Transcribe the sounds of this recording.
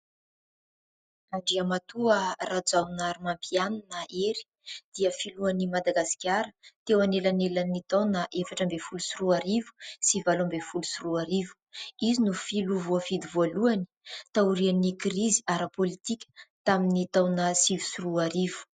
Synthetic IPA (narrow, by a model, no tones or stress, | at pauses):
aɳɖ͡ʐiamat̪uərad͡zawnaɾumampʰianunaʔeɾi̥ | d̪̥iəfiluanimad̪aɡasi̥kʲaɾət̪ewanelanelanit̪awnaʔefaʈ͡ʂəmbefulusuruaɾivu̥sivalambefulusuruaɾivu̥izinufiluvuafid̪ivoluani̥t̪auɾianikriziaɾəpolit̪ikʲə̥t̪aminit̪awnəsivu̥suruaɾivu̥